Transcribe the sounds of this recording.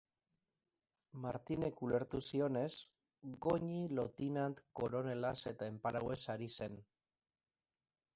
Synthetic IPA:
maɾt̪ine̞kule̞ɾt̪usio̞ne̞s | ɡo̞ɲilo̞t̪inant̪ko̞ɾo̞ne̞lase̞t̪aempaɾawe̞saɾise̞n

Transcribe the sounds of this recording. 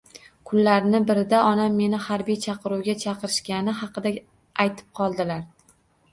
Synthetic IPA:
kʰʊlːaɾnɪbɪɾɪd̪aɒnamːe̞nɪhaɾbijt͡ʃʰɑqʰɨɾuwɡʲat͡ʃʰɑqɨɾɪʃkʲanɪɦɑqʰɨd̪a | ajt̪ʰɪ̥p̚qʰɒlˠd̪ɪlaɾ

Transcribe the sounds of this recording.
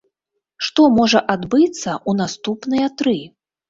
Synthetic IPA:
ʂt̪ɔmɔʐɐʔad̪bɨt̪sːɐʔunast̪upnɨjɐt̪ɾɨ

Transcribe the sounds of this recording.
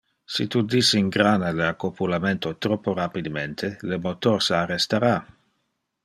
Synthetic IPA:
sit̪ud̪isiiŋɡɾanad̪eakːopulament̪ot̪ɾɔpːorapid̪ement̪ʰelemot̪orsarest̪aɾa

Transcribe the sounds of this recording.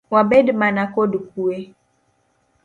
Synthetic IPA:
wabedmãnãkoduk̚ue

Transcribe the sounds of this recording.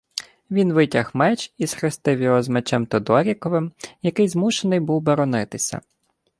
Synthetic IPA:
ʋʲinʋɪtʲɐxmɛt͡ʃisxɾɪst̪ɪwjɔɦɔzmet͡ʃɛmt̪ɔd̪ɔɾʲikɔʋɪmjɐkɪjzmuʃenɪjbuwbɔɾɔnɪt̪ɪsʲɐ̰

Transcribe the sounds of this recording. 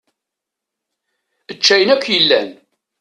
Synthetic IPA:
ət͡ʃːæjənækʷːjəlːæ̰n

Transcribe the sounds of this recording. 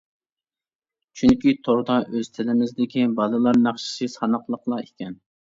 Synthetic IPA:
t͡ʃʰyŋkʲit̪ʰoɾd̪ɑʔøz̥t̪ʰɪlɪmɪzd̪ɪkʲibɑlˠɨlˠɑɾnɑχʃi̥ʃɨsɑnəqlˠəqlˠɑekʲɛn

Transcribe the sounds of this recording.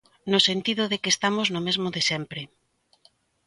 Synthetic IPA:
nosent̪iðʊðekest̪amoznʊmezmoðesɛmpɾɪ

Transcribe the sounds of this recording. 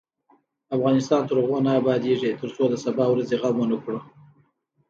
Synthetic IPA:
afɣɑnɪst̪ɑnt̪əɾɣonaːbɑd̪eʐet̪əɾt͡sod̪əsabɑwɾazeɣamwanəkɽə

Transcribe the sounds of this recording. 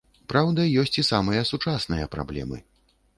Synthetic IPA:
pɾawd̪ɐjɔsʲt͡sʲisamɐjɐsut͡ʂasnɨjɐpɾa̰blʲɛ̰mɨ̰

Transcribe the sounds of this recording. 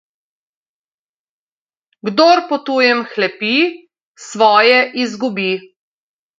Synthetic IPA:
ɡd̪oɾpɔt̪uːjɛmxlɛpi | sʋɔːjɛʔizɡubiː

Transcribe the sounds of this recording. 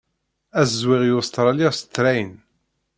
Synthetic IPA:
æzzwɪʁjʊst̪ɾˤɑliʁst̪ːɾæjən

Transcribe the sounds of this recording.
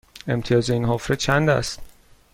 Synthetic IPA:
e̞mt̪ʰijɒːzeinɦofɾet͡ʃʰænd̪æ̰st̪

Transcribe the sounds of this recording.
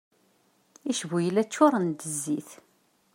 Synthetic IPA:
iʃvujəlæt͡sːʊɾˤənd̪əzːiθ

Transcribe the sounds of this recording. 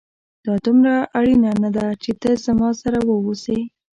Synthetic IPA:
d̪̥ɑd̪umɾaʔaɽinanad̪at͡ʃet̪əzamɑsaɾawəwose

